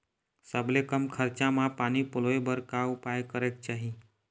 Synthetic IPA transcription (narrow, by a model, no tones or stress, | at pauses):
səblekəmkʰəɾt͡ʃãmãpaːnipʊloebəɾkaʊpaːjkəɾekt͡ʃaːɦi